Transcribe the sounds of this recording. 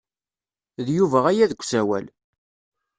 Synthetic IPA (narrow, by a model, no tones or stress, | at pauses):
ðjuvæʁæjæðəɡʷːsæwæ̰l